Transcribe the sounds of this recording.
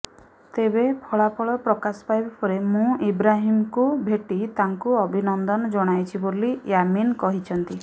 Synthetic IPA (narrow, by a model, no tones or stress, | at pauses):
t̪ebepʰɔɭapʰɔɭɔpɾɔkasɔ̥pajbapɔɾemũibɾaɦimkubʱeʈit̪aŋkuɔbʱinɔnd̪ɔnɔd͡ʒɔɽ̃ajt͡ʃʰibolijaminkɔɦit͡ʃʰɔnt̪i